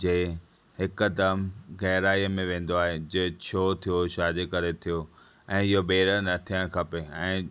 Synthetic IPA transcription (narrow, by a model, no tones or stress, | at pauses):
d͡ʑeː | hɪkd̪ɐmɣɛɦɾaːiəmẽʋẽːn̆d̪oaːɦed͡ʑeːt͡ɕʰoːt̪ʰijoʃaːd͡ʑekɐɾet̪ʰijo | ɛ̃ːɪɦobeːɾənɐt̪ʰijəɽ̃kʰɐpeɛ̃ː